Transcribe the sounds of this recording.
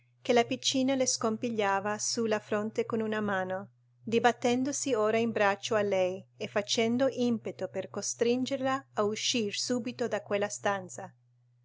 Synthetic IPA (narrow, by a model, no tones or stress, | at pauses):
k̟elapit͡ʃːiːnaleskompiʎːaːvasulafɾont̪ekonunamaːno | d̪ibat̪ːɛnd̪osioːɾaimbɾat͡ʃːoalɛjefat͡ʃɛnd̪oʔimpet̪operkost̪ɾind͡ʒerlaːuʃːirsuːbit̪od̪akwelːast̪ant̪sa